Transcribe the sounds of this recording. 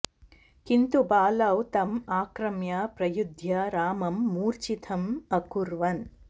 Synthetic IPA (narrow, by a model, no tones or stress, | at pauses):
kint̪ubaːlɐwt̪ɐmaːkɾɐmjɐpɾɐjud̪ʱjɐɾaːmɐmːuːɾt͡ʃit̪ʰɐmɐkuɾʋɐn